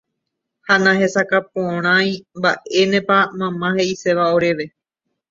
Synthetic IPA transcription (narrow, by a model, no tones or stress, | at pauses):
hanãhe̞sakapõɾ̃ãj̃mbaʔe̞nẽpamãmãhe̞ise̞ʋao̞ɾe̞ʋe̞